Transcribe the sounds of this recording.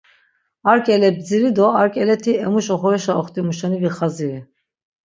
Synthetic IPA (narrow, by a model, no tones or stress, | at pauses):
aɾkʼɛlɛb̚d͡ziɾid̪ɔaɾkʼɛlɛt̪ʰiɛmuʃɔχɔɾɛʃaɔχt̪ʼimuʃaniviχazii